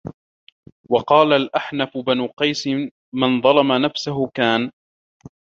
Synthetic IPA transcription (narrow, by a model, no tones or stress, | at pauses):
wɑqɑːlalʔaħnafʊbanuːqɑjsɪː | ɪnðˤɑlɑmanafsaɦʊkaːn